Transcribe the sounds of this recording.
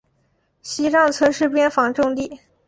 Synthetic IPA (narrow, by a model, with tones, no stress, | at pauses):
ɕi˥ʈ͡ʂɑ˥˩ŋt͡sʰwə˧˥nʂɻ̩˥˩pjɛ˥nfɑ˧˥ŋʈ͡ʂʊ˥˧ŋli˥˩